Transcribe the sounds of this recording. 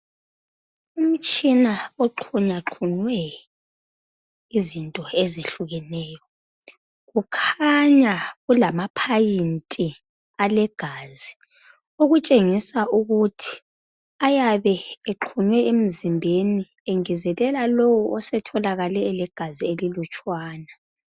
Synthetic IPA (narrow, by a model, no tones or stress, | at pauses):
um̩t͡ʃʼinaoǃʰuɲaǃʰunwɛ | izintʼɔezeɬuɣɛnɛːjɔ | ɣukʰaɲaɣulamapʰajintʼi | alɛɡ̥ʱaːzi | oɣut͡ʃʼeŋisaʔuɣutʰi̥ | ajaβɛeǃʰunwɛʔem̩zimbʱeni | eŋizɛlɛlalowɔʔɔsɛtʰɔlaɣalɛːlɛɡ̥ʱazielilut͡ʃʼwaːna